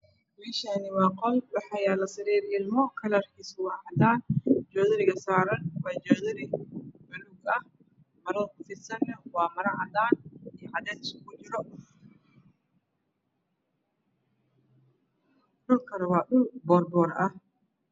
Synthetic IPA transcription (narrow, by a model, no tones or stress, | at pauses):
biʃɐnɪmaːqɔlbɑħɑjaːlɐsɪɾiːɾɪlmɔkʰɐlɐrkʰiːswɑːʕɑd̪aːnd͡ʒɔːðɐɾɪɣɐsaːɾɐnwɑːt͡ʃɔːðɐɾɪʕʊluɡɐh | mɐɾɐɾkʰʊfɪsɐnːɛwɑːmɐɾɐʕɑd̪aːnijʕɑd̪ɛːt̪ɪsʊkʰʊt͡ʃɪɾɔ | ɗʊlkʰɐɾɐwɑːɗʊlbɔːrbɔːɾɐh